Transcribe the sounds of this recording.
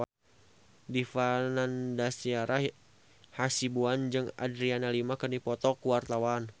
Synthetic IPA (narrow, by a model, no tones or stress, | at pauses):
difanandasiaɾʔa | hasibuand͡ʒɨŋa̰dɾianalimakərnipɔt̪ɔkuwart̪awan